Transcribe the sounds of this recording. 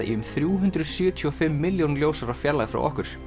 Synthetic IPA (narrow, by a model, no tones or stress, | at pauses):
ʔḭʏmθɾjuːɦʉnt̪ɾʏðsjœːt̪ʰiɔfɪmːɪljownljoːwsaɾafjaɾlajɣfɾa̰wʔɔ̰hkʏɾ̥